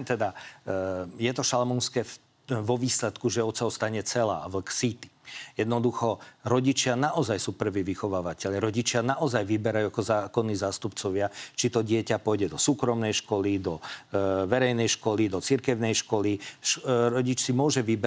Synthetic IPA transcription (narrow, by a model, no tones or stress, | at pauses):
t̪ɛd̪a | jɛt̪ɔʃalmunskɛː | ʋɔʋiːslɛt̪kuʒɛɔt̪saɔst̪aɲɛt͡sɛla̰ːʋl̩ksit̪i̥jɛd̪nɔd̪uxɔɾɔɟit͡ʃɪanaʔɔzajsuːpr̩ʋiːʋixɔʋaːʋacɛʎjaɾɔɟit͡ʃɪanaʔɔzajʋibɛɾajuakɔzaːkɔnːiːzaːst̪upt͡sɔʋɪat͡ʃit̪ɔɟɪɛcapɔjɟɛd̪ɔsuːkɾɔmnɛjʃkɔlid̪ɔ | ʋɛɾɛjnɛjʃkɔlid̪ɔt͡siɾkɛʊnɛjʃkɔliʃɾɔɟit͡ʃsimʊɔʒɛʋibɛ